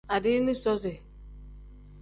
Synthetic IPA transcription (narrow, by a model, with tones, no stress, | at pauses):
a˨dɪ˦nũ˦sɔ˦zɛ˨